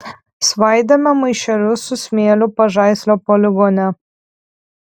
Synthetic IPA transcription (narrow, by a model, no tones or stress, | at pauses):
sʋɑˑɪd̪ʲɐmʲɛmɐɪʃʲɛɾʲʊsʊsʲmʲeːlʲʊpɐʒɑˑɪsʲlʲoːpɔlʲɪɡonʲɛ